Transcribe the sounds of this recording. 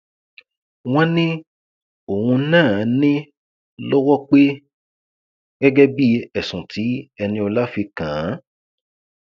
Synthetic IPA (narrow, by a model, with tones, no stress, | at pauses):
w̃ɔ̃˦nĩ˦ | o˨wũ˧˦nãː˦˨˦nĩ˦ | lɔ˦wɔ˦k͡pe˦ | ɡɛ˦ɡɛ˦bi˦ɛ˨sũ˨tʰi˨˦ɛ˧nĩ˧ɔ˧la˦fi˧kã˨˦